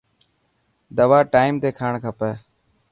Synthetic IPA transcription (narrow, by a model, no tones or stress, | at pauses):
d̪əʋaːʈaːimt̪eːkʰaːɳkʰəpɛː